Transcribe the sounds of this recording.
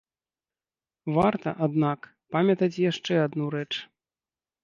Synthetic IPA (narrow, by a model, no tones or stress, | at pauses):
vart̪ɐ̰ʔad̪nak | pamʲɐt̪ɐt͡sʲjaʂt͡ʂɛad̪nuɾɛt͡ʂ